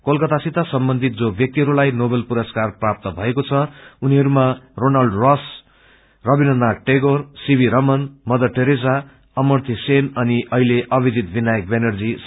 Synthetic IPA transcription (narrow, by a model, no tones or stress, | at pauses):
kolkʌt̪asit̪asʌmbʌnd̪ʱit̪̚d͡zobjʌk̚t̪iɦʌɾulajnobelpuɾʌskarprap̚t̪ʌbʱʌekot͡sʰʌuniɦʌɾumaronalɖrʌs | rʌbinʌnd̪aʈeɡorsibʱiɾʌmʌnmʌd̪ʌʈeɾed͡za | ʌmʌrt̪ʰisenʌniʔʌɦileʔʌbid͡zit̪̚binajʌkbenʌrd͡zis